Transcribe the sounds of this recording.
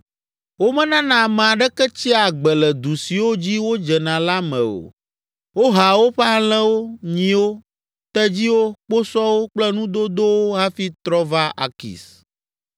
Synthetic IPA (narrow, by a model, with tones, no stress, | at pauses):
wo˦mɛ̃˦nã˦nã˨m̃˨a˨ɖɛ˦kɛ˦t͡ɕi˦a˨ɡ͡bɛ˨lɛ˨d̪u˨si˨wo˦d͡ʑi˦wo˦d͡ʒɛ˨nã˨la˦mɛ̰̃˨o̰˨ | wo˦ɦa˨wo˦ɸa˦l̃ɛ̃˦wo˦ɲĩ˨wo˦ | t̪ɛ˦d͡ʑi˦wo˦k͡po˦sɔ˦wo˦k͡plɛ˦nũ˦d̪o˦d̪o˦wo˦ɦa˦fi˦t̪ɾɔ˦va˦ʔa̰˨kḭ˨s